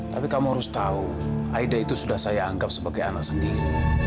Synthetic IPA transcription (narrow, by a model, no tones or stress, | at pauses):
t̪apikamɔɾust̪au | a̰idait̪usudahsajaːŋɡap̚səbaɡaja̰nasəndiɾi